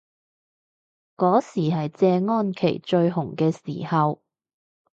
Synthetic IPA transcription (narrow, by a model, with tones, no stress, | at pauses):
kɔː˨˥siː˨˩ɦɐ˨jt͡sɛː˧ŋɔː˥nkʰḛ˨˩jt͡ʃɵ˧ɥɦʊ˨˩ŋkɛː˧sḭː˨˩hɐ˨w